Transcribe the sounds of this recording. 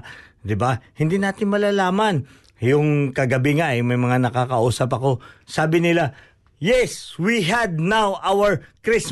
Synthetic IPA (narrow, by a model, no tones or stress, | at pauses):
d̪ɪbahɪnd̪inaːt̪ɪnmɐlaːlaːmɐn | jʊŋkɐɡɐbɪŋaʔɛjmɐjmɐŋanɐkakɐʔuːsɐp̬ɐko̞saːbɪnɪla | jɛswiɦɐd̪̚nawʔawɛɹkɾɪs